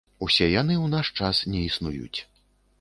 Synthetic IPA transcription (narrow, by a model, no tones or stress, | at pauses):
usʲɛjanɨwnaʂt͡ʂasnʲɛisnujṵt͡sʲ